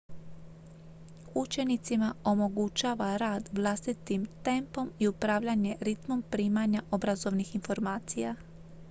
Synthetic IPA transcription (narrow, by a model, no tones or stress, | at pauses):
ut͡ʃe̞nit̪simao̞mo̞ɡut͡ʃaːʋaɾaːd̪ʋlˠast̪it̪imt̪e̞mpo̞miupɾaːʋʎaɲe̞ɾit̪mo̞mpɾiːmaɲaʔo̞bɾazo̞ʋnixinfo̞ɾmaːt̪sija